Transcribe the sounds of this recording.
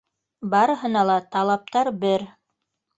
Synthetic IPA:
bɑɾɤ̆ɦɤ̆nɑlˠɑt̪ɑlˠɑp̚t̪ɑɾbɘɾ

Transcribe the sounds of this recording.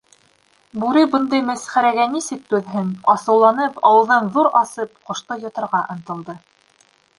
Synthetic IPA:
bʉɾɘbɤ̆nd̪ɤjmæsχæɾæɡænisɘk̚t̪ʉðɦɘnɑsɤ̆wlˠɑnɤpɑwɤ̆ðɤnðuɾɑsɤp̚qŏʃt̪ɤjŏt̪ɤ̆ɾʁɑʔɤ̆nt̪ɤ̆lˠd̪ɤ

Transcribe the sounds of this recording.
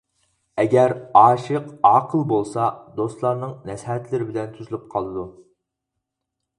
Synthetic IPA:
ɛɡʲɛɾɑːʃəqɑːqʰəlˠbolˠsɑd̪ost̪lˠɑɾnɨŋnɛshɛt̪lɪɾɪbɪlɛnt̪ʰuzɨlˠup̚qʰɑlˠɨd̪u

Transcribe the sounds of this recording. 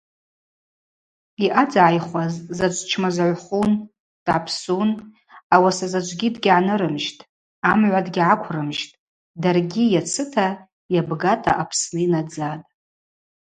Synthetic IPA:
iʔad͡zaʕːjχʷazzat͡ʃʷʼt͡ʃʰmazaʕʷχun | d̥ʕapʰsun | awasazad͡ʒʷʼɡʲidɡʲʕanɨɾɨmʒtʼ | amʕʷadɡʲʕakʷʰrɨmʒtʼ | darɡʲijat͡sʰɨtʰa | jabɡatʼa̰ʔapʰsnɨinad͡zatʼ

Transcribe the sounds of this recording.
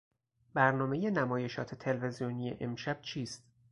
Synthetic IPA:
bæɾnɒːme̞je̞næmɒːje̞ʃɒ̰ːt̪ʰet̪ʰe̞lve̞zijoniːjḛʔemʃæb̥̚t͡ʃʰiːst̪

